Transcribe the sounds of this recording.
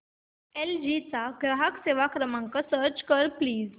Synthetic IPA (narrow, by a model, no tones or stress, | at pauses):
eld͡ʑit͡saɡɾaɦəkseʋakɾəmãŋkasəɾt͡ɕkəɾpliːz